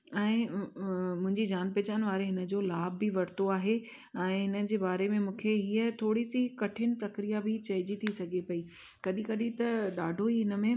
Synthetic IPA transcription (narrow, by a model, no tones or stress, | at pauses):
ɛ̃ː | mʊ̃ɦɪ̃ɲd͡ʑid͡ʑaːnpɛːt͡ɕaːnɪ̆ʋaːɾeɦɪnə̆d͡ʑolaːbʱːɪʋɐɾt̪oaːɦe | ɛ̃ːɦɪnə̆d͡ʑeːbaːɾemẽmũːkʰeɦiːət̪ʰoːɽisikɐʈʰɪnɪ̆pɾɐkɾijabɪt͡ɕɐɦɪd͡ʑit̪ʰisɐɡʱepɐiː | kɐɗĩkɐɗĩt̪ɐɗaːɖʱoɦiɪnə̆mẽ